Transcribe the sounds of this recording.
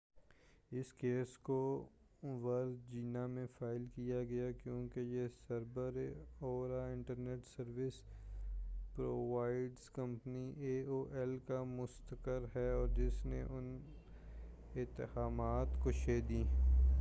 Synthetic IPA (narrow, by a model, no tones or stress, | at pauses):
ɪskeːsko | ʋɐɾzd͡ʒiːnamẽfaːɪlkijaɡɐjakjõːkejesɐɾbəɾoːɾaɪ̃ɳʈəɾneːʈsəɾʋɪs | pɾoʋaːɪɖzkɐ̃mpniʔeːoːʔɛlkamʊst̪əkəɾɦɛɔːɾd͡ʒɪsnḛʔʊn | ɪt̪əɦaːmaːt̪koʃeːd̪ĩː